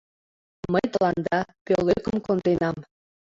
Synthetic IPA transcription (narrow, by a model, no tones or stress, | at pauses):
məjt̪əlɑnd̪ɑpølːøkəmkond̪enɑm